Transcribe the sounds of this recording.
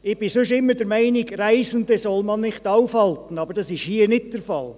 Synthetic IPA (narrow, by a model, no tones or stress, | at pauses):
ɪb̥ɪsʉʃɪmːəɾdəɾmæɪnɪɡræɪsən̩desɔlmɑnːɪχtɑʊfhɑltən̩ɑbəɾd̥ɑsɪʃhiːənɪt̚d̥əɾfɑl